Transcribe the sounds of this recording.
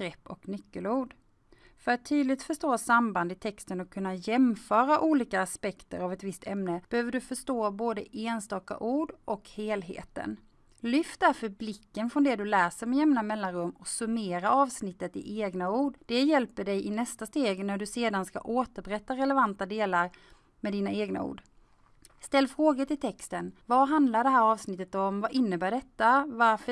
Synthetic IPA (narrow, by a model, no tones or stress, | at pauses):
ɾɛpːɔknʏkːəluːɖ | fœɾat̪ʰːyːd̪lɪɡ̚t̪fœʂt̪oːsamband̪ɪt̪ʰɛkst̪ənɔkʰːɵnːajɛmfœːɾaʔuːliːkaːspɛkt̪ə̰ɾavɛt̪vɪst̪ʰɛmnəb̥ɛhøːvəɖɵfœʂt̪oːboːd̪əʔeːnst̪ɑːka̰ʔuːɖʔɔkheːlɦḛːt̪ə̰n | lʏft̪aɾfœɾblɪkːənfɾɔnd̪ɛd̪ɵlæːsəɾmɛjɛmnamɛlːanɾɵmːɔksɵmeːɾaɑːvsnɪt̪ːət̪ɪ̰ʔeːɡnauːɖd̥̪ɛjɛlpəɖɛjʔɪnɛst̪ast̪eːɡnæɖɵseːd̪anska̰ʔoːt̪əɾbɾɛt̪ːaɾɛlɛvant̪ad̪eːlaɾ | mɛd̪iːnaeːɡna̰ṵːɖ | st̪ɛlːfɾoːɡat̪ʰɪlt̪ʰɛkst̪ənvaɦand̪laɖɛɦæːɾɑːvsnɪt̪ːət̪ɔmvaʔɪnːəbæːɖɛt̪ːavaɾfə